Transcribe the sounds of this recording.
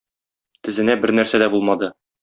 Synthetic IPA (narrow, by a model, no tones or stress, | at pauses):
t̪ɘ̆zɘ̆næbɘɾnæɾsæd̪æbulˠmɑd̪ɤ